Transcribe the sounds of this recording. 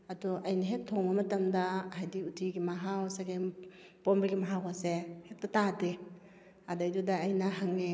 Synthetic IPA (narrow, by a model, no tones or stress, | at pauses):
adɔʔajnaɦet̚tʰːɔŋamɐtamdaɦajdiutʰiɡimaɦawsaɡe | pombiɡimaɦawasehet̚tatade | adajdudaːjnaɦaŋe